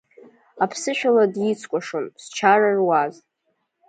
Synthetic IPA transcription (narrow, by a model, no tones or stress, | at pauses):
apʰsɨʃᶣaladjit͡sʰkʷʼaʂonst͡ʃʰararwaz